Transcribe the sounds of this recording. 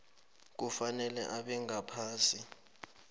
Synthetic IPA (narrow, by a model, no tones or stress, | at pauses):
k̬ufanɛlɛ̰ʔaɓɛŋapʰaːsi